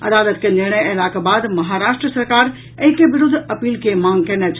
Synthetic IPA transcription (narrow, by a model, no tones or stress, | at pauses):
ɐd̪aːlət̪kenɪɾɳ̃əjəlakebaːd̪mɐɦaɾaːʃʈɾəsəɾkaːɾ | əɦĩkebɪɾʊd̪ʱːɐpiːlkemãːŋɡkɛːnɛt͡ʃʰ